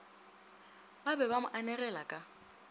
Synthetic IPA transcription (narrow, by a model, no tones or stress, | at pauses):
babɛbamʊʔanɛrɛlakʼa